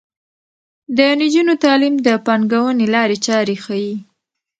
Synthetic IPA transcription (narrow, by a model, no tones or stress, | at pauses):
d̪ənid͡ʒunot̪ɑlimd̪əpɑŋɡawənelɑɾet͡ʃɑɾexaji